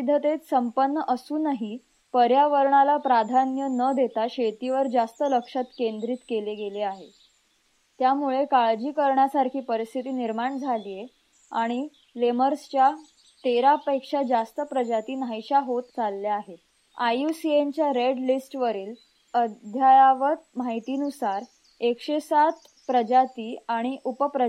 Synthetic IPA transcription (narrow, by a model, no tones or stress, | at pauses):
id̪ʱət̪et̪səmpənːəʔəsuːnaɦi | pəɾjaʋəɾɳalapɾad̪ʱanjənəd̪ʱet̪aɕet̪iːʋəɾd͡zast̪ələkʂat̪kend̪ɾiːt̪keleɡeleaɦe | t̪jamuɭekaɭd͡ʑiːkəɾɳjasaɾkʰiːpəɾist̪ʰit̪iːniɾmaɳd͡zʱaliːje | aɽ̃i | leməɾst͡ɕja | t̪eɾapəjkʂad͡zast̪əpɾəd͡ʑat̪iːnajɕaɦot̪t͡salːaaɦe | ajusient͡ɕjaɾeɖlisʈʋəɾiːl | əd̪ʱjajaʋət̪̚maɦit̪iːnusaɾ | ekʂesat̪ | pɾəd͡ʑat̪iːaɽ̃iʔupəpɾə